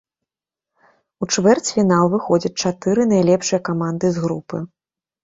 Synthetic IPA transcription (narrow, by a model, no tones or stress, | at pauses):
ut͡ʂvɛrt͡sʲfʲinalˠvɨxɔd͡zʲɐt͡sʲt͡ʂat̪ɨɾɨnajlʲɛpʂɨjɐkamand̪ɨzɣɾupɨ